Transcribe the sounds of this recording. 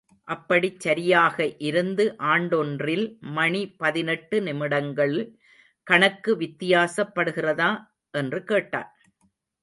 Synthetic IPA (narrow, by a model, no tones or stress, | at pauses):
ʔɐpːɐɽit͡ʃːɐɾɪjaːɣɐʔɪɾɯnd̪ɯʔaːɳɖɔndrɪlmɐɳipɐðɪnɛʈːɯnɪmɪɽɐŋɡɐɭ | kɐɳɐkːɯʋɪt̪ːɪjaːsɐpːɐɽɯɣɪrɐðaː | ʔɛndrɯkeːʈːa̰ːn